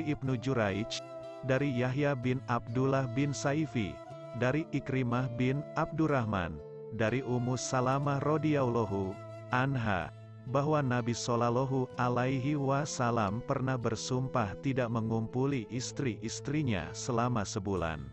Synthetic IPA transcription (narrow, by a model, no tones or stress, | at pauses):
iip̚nud͡ʒuɾait͡ʃ | daɾijaɦjabɪnab̚dulahbɪnsaifḭ | daɾiʔikɾimahbɪnab̚duɾahma̰n | daɾiʔumusalamahrodiawloɦu | anɦa̰ | baɦwanabisolaloɦualaiɦiwasalampərnahbərsumpaht̪idaʔməŋumpuliʔist̪ɾiʔist̪ɾiɲa̰səlamasəbula̰n